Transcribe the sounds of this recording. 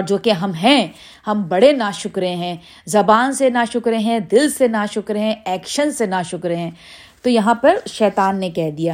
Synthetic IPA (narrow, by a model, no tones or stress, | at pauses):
ɔɾd͡ʒoːkeɦɐmɦɛ̃ | hɐmbɐɽenaːʃʊkɾẽɦɛ̃ː | zɐbaːnsenaʃʊkɾeɦɛ̃d̪ɪlsenaʃʊkɾɦɛ̃ɛːkʃənsenaʃʊkɾeɦɛ̃ː | t̪ojɐɦãpɐɾʃɛːt̪aːnːekɛɦd̪ijaː